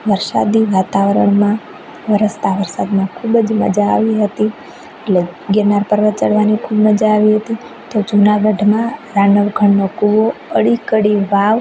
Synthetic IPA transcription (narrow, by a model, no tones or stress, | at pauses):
ʋəɾsa̰d̪iʋat̪aʋəɾəɳmã | ʋəɾəst̪aʋəɾsa̰d̪mãkʰubd͡ʒmə̰d͡ʒa̰ːʋiɦət̪i | eʈleɡenaɾpəɾʋət̪̚t͡ʃəɽʋanikʰubməd͡ʒaːʋiɦət̪i | t̪od͡ʒunabəɖʱmãɾanəʋɡʱəɳːokuʋoəɽikəɽiʋaʋ